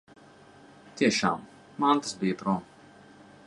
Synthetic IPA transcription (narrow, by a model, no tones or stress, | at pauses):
t̪ʲiɛʃa̰ːm | mant̪ḁsbʲijɐt̪ɾɔm